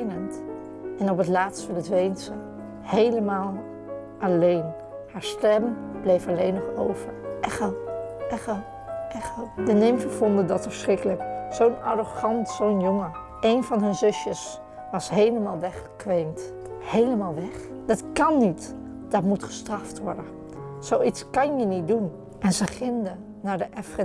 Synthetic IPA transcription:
nənt | ɛnɔpətlaːtstənətʋejntsə | hejləmaːlˠ | ʔɑlejn | haːɹstɛmb̥lejfɑlejnɔχo̰wv̥ə̰ɹʔɛχəɛχə | ɛχədənɪmvəvɔndədɑtəfəsχrɪkələksownaroχɑntsownjoŋə | ʔejnvɑnɦɵnzɵsjəs | ʋɑsɦejləmaːlˠʋɛχə̥kʋejnt | hejləmaːlˠʋɛχ | d̥ɑtkɑnːit | d̥ɑtmutχə̥strɑftʋɔ̰ɹdə | z̥owitskɑnjənit̚dun | ʔɛnzəχɪndə | naːɹdəʔɛfχə

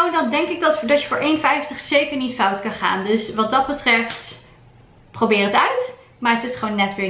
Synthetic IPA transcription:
owdɑndɛŋkɪɡ̚dɑtdɑtjəfʊːɹʔejnfɛjftəχsejkəɹnitfɑwtkɑnχa̰ːndɵsʋɑt̚dɑd̚bətrɛft | prowbɪːrətœɥt | maːɹətɪsχʋownːɛtʋɪː

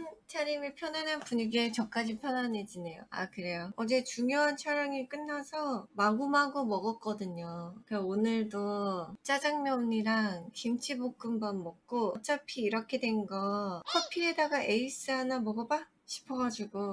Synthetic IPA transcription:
nt͡ɕʰaɾjimipʰjʌnanɯnpuɲiɡet͡ɕʌk͈ad͡ʑipʰjʌnane̞d͡ʑine̞jo̰a̰kɯɾe̞joʌd͡ʑe̞t͡ɕuŋjoɦant͡ɕʰaɾjaŋiɭk͈ɯnːasʰʌmaɡumɦaɡomʌɡʌk͈ʌdɯɲokɯaonɯɭdot͡ɕ͈ad͡ʑaŋmjʌɲiɾaŋkimt͡ɕʰibok̚k͈ɯmbʌnmʌk̚k͈ot͡ɕ͈apʰiːɾʌkʰe̞dwe̞nɡʌkʰʌpʰiedaɡaʔe̞is͈ɯɦanamʌɡʌba | ɕʰi̥pʰʌɡad͡ʑuɡo

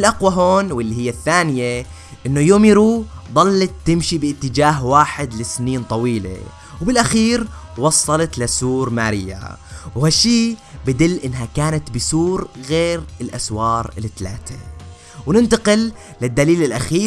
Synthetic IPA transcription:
lʔaqwaɦoːnwɪlːihɪjːaθːaːnɪje | ʔɪnːʊjoːmiɾuːðˤɑlːɑt̪ːɪmʃibɪʔɪt̪ːɪd͡ʒaːɦwaːħɪd̪lɪsniːnt̪ˤɑwiːlḛ | wbɪlʔaxiːɾwɑsˤːɑlɑt̪lasuːɾmaːɾɪjːa̰whaʃːiːbɪd̪ɪlːʔɪnːɦakaːnat̪bɪsuːɾɣeːɾɪlʔaswɑːɾˤɪlɪt̪la̰ːt̪e | wnɪnt̪aqɪlː | ɪd̪ːaliːlɪlʔaxiː

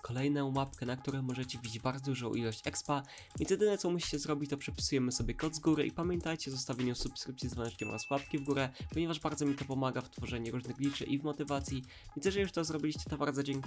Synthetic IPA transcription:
kɔlɛjnɛmapkɛnakt̪uɾɛmɔʐɛt͡ɕɛvʲid͡ʑbaɾzɔd̪uʐɔ̃w̃ʔilɔɕt͡ɕɛkspa | vʲɛ̰̃nsjɛd̪ɘnɛt̪sɔmuɕi̥t͡ɕɛzɾɔbʲit͡ɕt̪ɔpʂɛpʲi̥sujɛmɘsɔbʲjɛkɔd̪zɡuɾɘʔḭpamʲjɛnt̪ajt͡ɕɛzɔst̪avʲjeɲusupskɾɘp̚t̪sʲizvwɛ̃ʂkʲɛmɔ̰ɾaswap̚kʲivɡuɾɛpɔɲɛvaʐbaɾd̪zɔmʲit̪ɔpɔmaɡaft̪fɔʐɛɲuɾuʐnɘɣblʲit͡ʂɘ̰ʔivmɔt̪ɘvat̪sʲji | vʲnɛʐɛjuʂt̪ɔzɾɔbʲilʲiɕt͡ɕɛ̥t̪ɔbaɾd̪zɔd͡ʑɛŋk

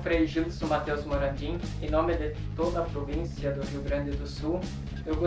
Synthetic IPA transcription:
fɾejʒiwsʊmat̪ewzmoɾad͡ʒĩẽnõmɪd̪ɪ | t̪od̪ɐpɾovĩsjɐd̪ʊɦiwɡɾɐ̃nd̪ɪd̪ʊsu | ewɡo

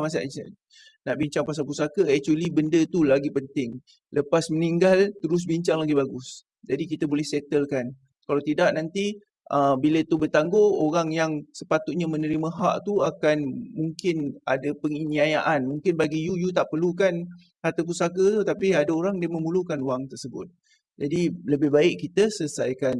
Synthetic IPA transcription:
mas̬aʔə̰ | naʔbiɲt͡ʃaŋpas̬alpusakəɛk̚t͡ʃuəlibəndət̪ulaɡipənt̪ɪŋ | ləpasməniŋɡalt̪əɾʊs̬biɲt͡ʃaŋlaɡibaɡʊs | d͡ʒadikit̪abolɛhsɛt̪əlkan | kalawt̪idaʔnant̪i | ʔəbilət̪ubət̪aŋɡooɾaŋjaŋsəpat̪uʔ̪̚ɲamənəɾimə̃ɦa̰ʔt̪uakanmuŋkɪna̰dapəŋiniajaʔanmũŋkɪnbaɡijujut̪aʔpərlukan | hart̪ək̬usakət̪ut̪apiadaoɾaŋdiəmə̃mulukanuwaŋt̪ərsəbʊ̰t̪̚ | d͡ʒadiləbɪhbaɪʔkːit̪əsəsajkan

